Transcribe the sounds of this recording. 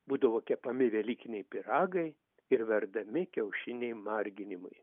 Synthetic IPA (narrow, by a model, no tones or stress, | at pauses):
buːd̪ɐʋoːkʲɛpɐmʲɪʋʲɛlʲiːkʲɪnʲɛɪpʲɪɾɑːɡɐɪ | ɪɾʋʲɛɾd̪ɐmʲɪkʲɛʊʃʲɪnʲɛɪmɑrʲɡʲɪnʲɪmɐɪ